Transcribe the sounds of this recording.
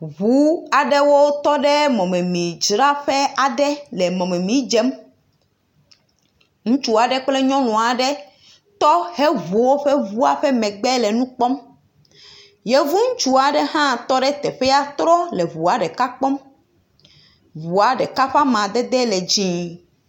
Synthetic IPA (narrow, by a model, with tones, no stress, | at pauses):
βu˦a˨ɖɛ˦wo˦t̪ɔ˦ɖɛ˦mɔ̃˨mɛ̃˨mĩ˨d͡ʒɾa˦ɸɛ˦a˨ɖɛ˦lɛ˨mɔ̃˨mɛ˨mĩ˦d͡ʒɛ˦m | ŋũ˦t͡ʃu˦a˨ɖɛ˦k͡plɛ˦ɲɔ̃˦nɔ̃˨a˨ɖɛ˦ | t̪ɔ˦hɛ˦vu˨wo˦ɸɛ˦vu˦a˨ɸɛ˦mɛ̃˨ɡ͡bɛ˦lɛ˨nũ˦k͡pɔ˦m | jɛ˦vu˦ŋũ˦t͡ʃu˦a˨ɖɛ˦hã˦t̪ɔ˦ɖɛ˦t̪ɛ˨ɸɛ˦a˦t̪ɾɔ˦lɛ˨βu˨a˨ɖɛ˨ka˦k͡pɔ˦m | vu˨a˨ɖɛ˨ka˦ɸa˦mã˨d̪ɛ˦d̪ɛ˦lɛ˨d͡ʑĩ˦